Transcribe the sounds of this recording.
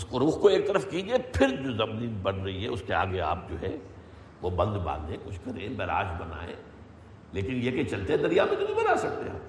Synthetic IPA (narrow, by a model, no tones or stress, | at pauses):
ɪskoɾuːxkoeːk̚t̪ɐɾəfkid͡ʒaepʰɪɾd͡ʒoːzɐmnibɐɽɾɐɦiɦɛ̰ʊskea̰ːɡea̰ːp̚d͡ʒo̰ːɦɛ̰ | ʋobɐ̃nd̪bã̰ːnd̪ẽkʊt͡ʃʰkɐɾẽbɛːɾa̰ːʃbɐna̰ːḛ̃ː | leːkɪnjeket͡ʃɐlt̪eɦɛd̪ɐɾijamẽt̪obibɐnaːsɐk̚t̪eɦa̰ː